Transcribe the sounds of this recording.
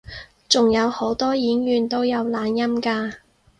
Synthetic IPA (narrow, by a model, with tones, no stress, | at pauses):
t͡sʊ˨ŋjɐ˨˧who˨˥wt̪ɔː˥jiː˨˥njyː˨nt̪o˥wjɐ˨˧wlaː˨˧njɐ˥mkaː˧